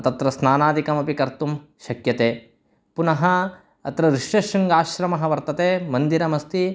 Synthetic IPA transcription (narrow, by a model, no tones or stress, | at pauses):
t̪ɐt̪ɾɐsnaːnaːd̪ikɐmɐpikɐɾt̪umʃɐkjɐt̪eː | punɐɦɐ | ɐ̰t̪ɾɐʋɾiʂjɐʃɐŋɡaːʃɾɐmɐɦɐʋɐɾt̪ɐt̪eːmɐnd̪iɾɐmɐst̪i